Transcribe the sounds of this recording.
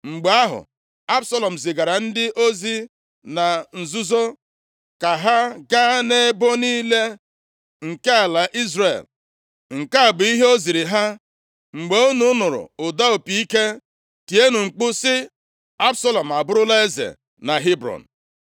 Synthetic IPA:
ŋ͡m̩˨ɡ͡be˨˦a˦ɦʊ̰˨ | a˦bsa˦lɔ˨m̩˨zɪ˨ɡa˨ɾa˨n̩˦dɪ˦ʔo˦zi˦ | na˨n̩˨zu˦zo˦ | ka˨ɦa˦ɡa˦ne˦bo˦niː˦le˦ | ŋ̩˨ke˦a˨la˨ʔi˦zre˨l | ŋ̩˨ka˦a˨bʊ˨i˦ɦe˦o˦zi˨ɾi˨ɦa˦ | ŋ͡m̩˨ɡ͡be˨˦o˦nʊ˦nʊ˨ɾʊ̰˨ʊ˨da˦o˨pi˨˦i˦ke˦ | ti˨e˦nʊ˨ŋ͡m̩˨k͡pʊ˦sɪ˦ | a˦bsa˦lɔ˨m̩˨a˨bʊ˦ɾʊ˦la˦e˦zḛ˨ | na˨ɦi˦bɾɔ̰˨n̩˨

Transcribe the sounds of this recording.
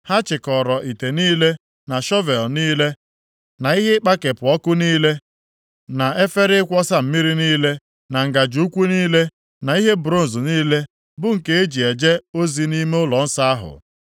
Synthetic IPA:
ha˦t͡ʃɪ˨kɔ˨ɾɔ˨ʔi˨te˨niː˦le˦ | na˨ʃɔ˦ve˨lniː˦le˦ | na˨i˦ɦe˦k͡pa˦ke˨pʊ˨ɔ˦kʊ˦niː˦le˦ | na˨e˦fe˦ɾɪ˦kʷɔ˦sa˦m̩˨mi˦ɾi˦niː˦le˦ | na˨ŋ̩˨ɡa˨d͡ʒu˨˦u˦kʷu˦niː˦le˦ | na˨i˦ɦe˦bɾo˦n̩˨zʊ˨niː˦le˦ | bʊ˦ŋ̩˨ke˦e˦d͡ʒi˨e˨d͡ʒe˦o˦zi˨ni˦me˦ʊ˦lɔ˨n̩˦sa˦a˦ɦʊ̰˨

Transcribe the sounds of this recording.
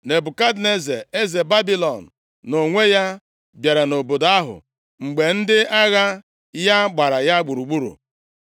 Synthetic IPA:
ne˨bʊ˨ka˦dne˦zḛ˨e˦ze˨ba˦bi˦lɔ˨n̩˨ | no˨ŋʷe˦ja˦ | bja˨ɾa˨no˨bo˨da˦ɦʊ̰˨ | ŋ͡m̩˨ɡ͡be˨n̩˦dɪ˦a˦ɣa˦ | ja˦ɡ͡ba˨ɾa˨ja˦ɡ͡bu˨ɾu˨ɡ͡bu˦ɾṵ˨

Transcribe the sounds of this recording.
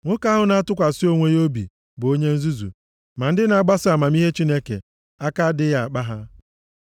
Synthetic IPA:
ŋʷʊ˦ka˦ɦʊ˨na˦a˦tʊ˦kʷa˨si˦o˦ŋʷe˦jo˦bḭ˨ | bo˦ɲe˦n̩˦zu˦zṵ˨ | ma˨n̩˦dɪ˦na˨˦˨ɡ͡ba˦sɪ˦a˨ma˨m˦i˦ɦe˦t͡ʃi˦ne˦kḛ˨ | a˦ka˦dɪ˦ja˨a˨k͡pa˦ɦa˦

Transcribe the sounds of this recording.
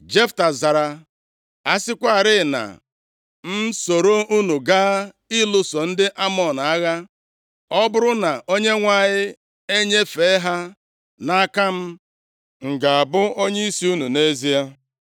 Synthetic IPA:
d͡ʒe˦fta˨za˨ɾa˨ | a˦sɪ˦kʷa˦a˨ɾɪ˦˨na̰˨ | m̩˦so˨ɾo˦u˦nu˨ɡa˦ | i˦lʊ˦so˨n̩˦dɪ˦ʔa˦mɔ˨na˦ɣa˦ | ɔ˦bʊ˦ɾʊ˦na˨ʔo˦ɲe˦ŋʷa˦ɲɪ˦ | e˦ɲe˦fe˨˦ɦa˦ | na˦ka˦m̩˦ | ŋ̩˨ɡa˨a˨bʊ˦o˦ɲe˦i˦si˦u˦nu˨ne˦zi˦a˦

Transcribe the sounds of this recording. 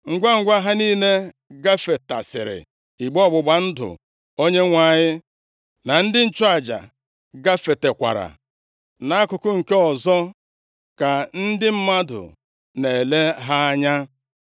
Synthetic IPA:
ŋ̩˦ɡʷa˦ŋ̩˦ɡʷa˦ɦa˦niː˦ne˦ | ɡa˦fe˨ta̰˨sɪ̰˨ɾɪ̰˨ | i˨ɡ͡bɔ˦˨ɡ͡bʊ˨ɡ͡ba˨n̩˦dʊ̰˨ | o˦ɲe˦ŋʷa˨ɲɪ˦ | na˨n̩˦dɪ˦n̩˦t͡ʃʊ˦a˨d͡ʒa̰˨ | ɡa˦fe˨te˨kʷa̰˨ɾa̰˨ | na˨˦a˦kʊ˨kʊ˦ŋ̩˨ke˦ɔ˨zɔ˦ | ka˨n̩˦dɪ˦m̩˦ma˦dʊ̰˨ | ne˨le˦ɦa˦a˦ɲa˦

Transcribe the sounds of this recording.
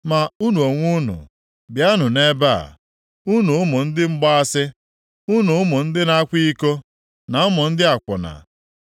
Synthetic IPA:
ma˨u˦nu˨o˨ŋʷu˦nʊ̰˨ | bja˦nʊ˨ne˦ba̰˦˨ | u˦nu˨ʊ˦mʊ˨n̩˦dɪ˦ŋ͡m̩˦ɡ͡bɔ˦a˦sɪ˦ | u˦nu˨ʊ˦mʊ˨n̩˦dɪ˦na˦a˦kʷi˦i˦ko˦ | na˨ʊ˦mʊ˨n̩˦dɪ˦a˨kʷʊ˨na̰˨

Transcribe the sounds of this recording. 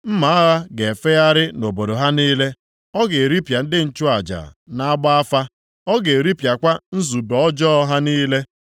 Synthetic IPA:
m̩˦ma˨˦a˦ɣa˦ɡe˨fe˦ja˦ɾɪ˦no˨bo˨do˨ɦa˦niː˦le˦ | ɔ˦ɡe˨ɾi˦pja˨n̩˦dɪ˦n̩˦t͡ʃu˦a˨d͡ʒa̰˨na˦a˦ɡ͡ba˦a˦fa˦ | ɔ˦ɡe˨ɾi˦pja˨kʷa˦n̩˦zu˨bɔ˨ɔ˦d͡ʒɔː˦ɦa˦niː˦le˦

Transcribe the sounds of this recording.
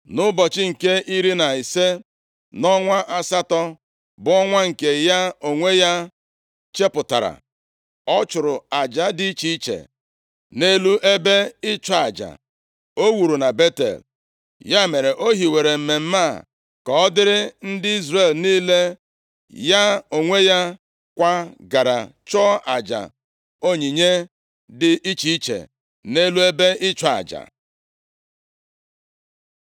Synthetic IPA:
nʊ˦bɔ˨t͡ʃɪ˦ŋ̩˨ke˦ʔi˦ɾi˦na˨i˨se˦ | nɔ˦ŋʷa˦ʔa˦sa˦tɔ˦ | bʊ˦ɔ˦ŋʷa˦ŋ̩˨ke˨ja˦o˨ŋʷe˦ja˦ | t͡ʃe˦pʊ˨ta̰˨ɾa̰˨ | ɔ˦t͡ʃʊ˨ɾʊ˨a˨d͡ʒa˦dɪ˦t͡ʃi˦i˦t͡ʃḛ˨ | ne˦lu˦ʔe˦be˦ɪ˦t͡ʃɔ˨a˨d͡ʒa̰˨ | o˦wu˨ɾu˨na˨be˦tḛ˨l | ja˦me˨ɾe˨ʔo˦ɦi˨we˨ɾe˨m̩˨me˨m̩˦ma˦˨ | kɔ˨ɔ˦dɪ˦ɾɪ˦n̩˦dɪ˦i˦zre˨lniː˦le˦ | ja˦o˨ŋʷe˦ja˦ | kʷa˦ɡa˨ɾa̰˨t͡ʃɔ˦a̰˨d͡ʒa̰˨ | o˦ɲi˨ɲe˦ | dɪ˦i˦t͡ʃi˦i˦t͡ʃḛ˨ | ne˦lu˦e˦be˦ʔɪ˦t͡ʃa˨a̰˨d͡ʒa̰˨

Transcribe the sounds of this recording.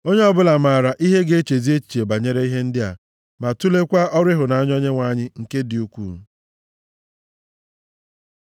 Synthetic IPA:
o˦ɲe˦ɔ˦bʊ˦la˨ma˨ɾa˨ʔi˦ɦe˦ɡe˦e˦t͡ʃe˨zi˦e˦t͡ʃi̥˨t͡ʃe˨ba˨ɲe˦ɾe˦i˦ɦe˦n̩˦dɪ˦a̰˨ | ma˨tu˦le˦kʷa˦ɔ˦ɾɪ˦ɦʊ˨na˨˦ɲ˦ɔ˦ɲe˦ŋʷa˦ɲɪ˦ŋ̩˨ke˦dɪ˨u˦kʷṵ˦˨˦

